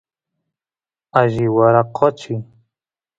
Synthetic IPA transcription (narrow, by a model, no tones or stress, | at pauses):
aʒiwaɾaqʰɔt͡ʃi